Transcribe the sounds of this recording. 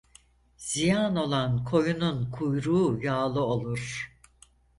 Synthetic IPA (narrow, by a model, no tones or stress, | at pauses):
z̥ijano̞lˠankʰo̞jununkʰujɾuːjaːlˠɯo̞lˠuɾ̥